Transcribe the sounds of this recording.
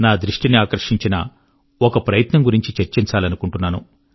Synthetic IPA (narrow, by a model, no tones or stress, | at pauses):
naːd̪ɾiʂʈiniaːkɐɾʂiɲt͡ʃinɐ̰ | ɔkɐpɾɐjɐt̪nɐŋɡuɾiɲt͡ʃit͡ʃeɾt͡ʃiɲt͡ʃaːlɐnukuɳʈunːaːnṵ